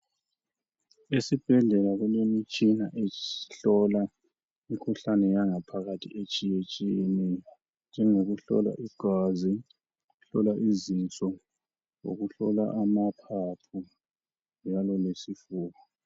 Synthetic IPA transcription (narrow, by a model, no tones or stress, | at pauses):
esib̥ʱɛɮɛlaɣɛlemit͡ʃʼinaʔeiɬɔla | mikʰuɬanɛjaŋapʰaɣatʰḭet͡ʃʼijet͡ʃʼini | nd͡ʒʱɛŋoɣuɬɔ̰la̰ʔiɡ̥ʱazi | uɬɔlaʔizint͡sʼɔ | o̰ɣuɬɔ̰la̰ʔamapʰapʰu | nd͡ʒʱalɔlesifuːɣɔ